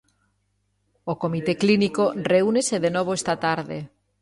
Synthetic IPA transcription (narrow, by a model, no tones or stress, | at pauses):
okomit̪eklinikoreuneseðenoβ̞oest̪at̪aɾðe